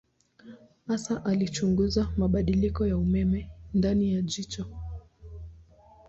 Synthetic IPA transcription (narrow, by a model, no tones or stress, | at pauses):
asaʔalit͡ʃuŋɡuzamaɓaɗilikɔjaumɛmɛndanijaʄit͡ʃɔ